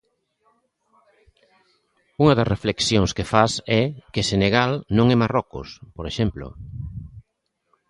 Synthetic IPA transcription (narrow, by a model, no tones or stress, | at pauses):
uŋɐðɐzrefleksjoŋskefasɛkeseneɣalnõŋɛmarɔkʊ̰spoɾeʃɛmplo̰